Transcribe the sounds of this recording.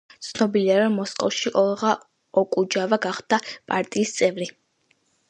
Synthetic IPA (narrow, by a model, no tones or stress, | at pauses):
t̪sʰnɔbiliaɾɔmːɔskʼɔfʃiʔɔlˠʁa | ɔkʼud͡ʒavaɡaχd̪̥apʼaɾt̪ʼiːst̪sʼɛvɾi